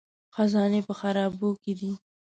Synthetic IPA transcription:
xazɑnepəxaɾɑːboked̪i

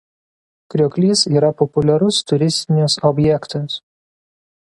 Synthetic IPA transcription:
kɾʲokʲlʲiːsiːɾɐpɔpʊlʲɛɾʊst̪ʊɾʲɪsʲt̪ʲɪnʲʊsɔbʲjɛkt̪ɐs

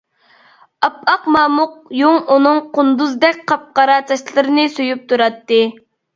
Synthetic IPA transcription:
ɑpɑqmɑːmʊq̚joŋunɨŋqʊnd̪uzd̪ɛkʲqʰɑp̚qɑɾɑːt͡ʃ̪ʰɑʃlˠɨɾɨnɨsyjyp̚t̪ʰuɾɑt̪ːɨ

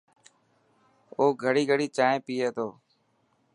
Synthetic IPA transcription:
oːɡʱəɽiːɡʱəɽiːt͡ʃaːẽːpiːeːt̪oː

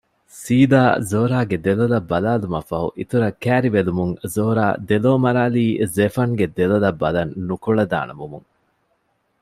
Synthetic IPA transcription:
siːd̪aːzoːɾaːɡed̪elolɐbːɐlaːlumɐfɐɦṵʔit̪uɾɐkːæːɾiʋelumuŋzoːɾa̰ːd̪eloːmɐɾaːliːzefɐŋɡed̪elolɐbːɐlɐnːukuɭɐd̪a̰ːnʔɐmumṵŋ

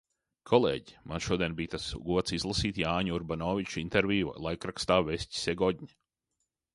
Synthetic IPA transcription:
kʰɔlˠḛːɟi̥manʃuɔd̪iɛnbiːt̪asɡuɔt̪sizlˠasiːt̪jaːɲuuɾbanɔːvʲit͡ʃuint̪eɾvʲḭːlˠajkɾakst̪aːvesʲci̥sɛɡɔdʲɲa

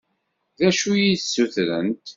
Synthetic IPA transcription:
ðæʃujisːuθɾə̰nt̪

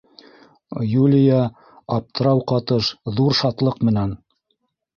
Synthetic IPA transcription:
julʲɪjɑ | ɑp̚t̪ɤ̆ɾɑwqɑt̪ɤʃðuɾʃɑt̪lˠɤqmɘ̆næn

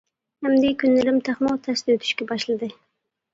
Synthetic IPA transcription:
hæmd̪ekʲynːɪlɪmt̪ʰaχmɑwt̪ʰast̪øt̪ʰy̥ʃkʲɛbɑʃlɨd̪ɨ

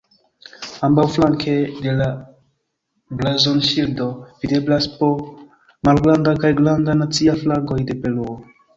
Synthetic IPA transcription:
ambawflaŋkʰe̞de̞la | blazonʃildo̞vide̞blaspo | malɡlandakajɡlandanat͡siaflaɡo̞jde̞pe̞luo

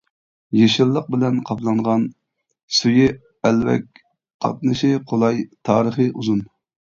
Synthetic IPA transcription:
jeʃɨɾlˠːəq̚bɪlɛnqʰɑplˠɑɴʁɑn | suji | ɛlvɛ̰k̚ʲ | qʰɑ̰t̪̚nɨʃiqʰolˠɑjt̪ʰɑːɾəχəʔuzun

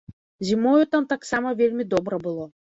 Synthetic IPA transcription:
zʲimɔjut̪amt̪aksamɐvʲelʲmʲid̪ɔbɾɐbɨlˠɔ

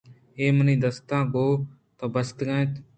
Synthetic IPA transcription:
eːmənĩːd̪əst̪ãːɡoː | t̪õːbəst̪ɡə̃ːt̪

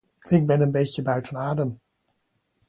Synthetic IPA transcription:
ɪɡ̚bɛnənbejsjəbœɥtənaːdəm

